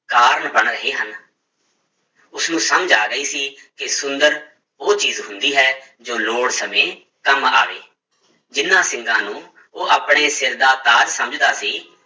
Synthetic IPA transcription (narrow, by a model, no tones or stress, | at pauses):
kaːɾɳbəɳɾəɦeːɦən | ʊsnũːsəməd͡ʒaːɡəiːsiːkɪsʊnd̪əɾ | oːt͡ʃiːzɦʊnd̪iːɦɛː | d͡ʒoːloːɽsəmẽː | kəma̰ːʋḛː | d͡ʒɪnːãːsɪŋɡãːnũː | oːʔaːpɳ̃eːsɪɾd̪aːt̪aːd͡ʒsəməd͡ʒd̪aːsiː